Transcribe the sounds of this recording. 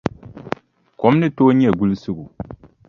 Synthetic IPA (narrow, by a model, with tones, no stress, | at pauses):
kɔ˨˦mnɨ˦toː˦ɲɛ˦˨ɡu˦lsɨ˦ɡu˨